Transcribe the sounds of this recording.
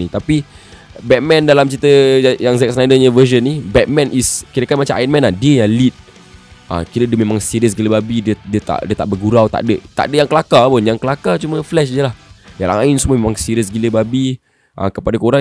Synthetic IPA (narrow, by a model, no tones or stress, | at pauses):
it̪api | bɛk̚mɛ̃ndalamt͡ʃit̪əjaŋzɛk̚snajdəɲəvəʃənːibɛt̪̚mɛ̃nʔiskiɾəkanmat͡ʃamʔa̰jinmɛ̃nahdiəjaŋlit̪̚ | ʔə̰kiɾədəmemãŋsiɾiəs̬ɡiləbabidiədiət̪a̰ʔdiət̪aʔbərɡuɾawt̪a̰ʔdəʔt̪a̰ʔdəʔjaŋkəlakapʊnjaŋkəlakat͡ʃumə̃flɛʃdəlahjaɾa̰ŋaɪnsuməmemãŋsiɾiəs̬ɡiləbabi | ʔa̰kəpadakoɾaŋ